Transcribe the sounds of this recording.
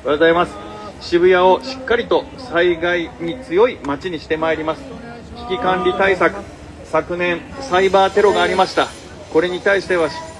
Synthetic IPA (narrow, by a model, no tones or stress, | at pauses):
azaimasɨ̥ | ɕibɯ̟jao̞ɕi̥kːaɾʲit̪o̞ | saiɡaiɲ̟it͡sɨjo̞imat͡ɕiɲ̟iɕi̥t̪e̞maeɾʲimasɨ̥ | çʲi̥kʲikãnɾʲit̪aisakɯ̟̥ | sakɯ̟nẽ̞ɰ̃saibaːt̪e̞ɾo̞ɡaːɾʲimaɕi̥t̪a | ko̞ɾe̞ɲ̟it̪aiɕi̥t̪e̞βaɕ